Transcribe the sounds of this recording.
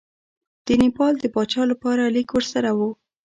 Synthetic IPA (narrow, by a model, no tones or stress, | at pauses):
d̪̥ənipɑld̪əbɑt͡ʃɑlapɑɾalikwəɾsaɾawu